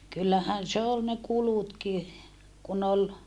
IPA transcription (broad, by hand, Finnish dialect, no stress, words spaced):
kylːæhæn se ol ne kulutki kun ol